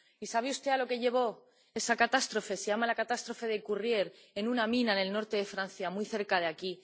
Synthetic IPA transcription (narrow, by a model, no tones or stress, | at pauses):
isaβ̞eust̪e̞alo̞ke̞ʝe̞β̞o̞ | e̞sakat̪ast̪ɾo̞fe̞sejamalakat̪ast̪ɾo̞fe̞ð̞ekurje̞ɾ | e̞nunamĩnane̞lno̞ɾt̪eðe̞fɾan̟θjamwiθe̞ɾkað̞eaki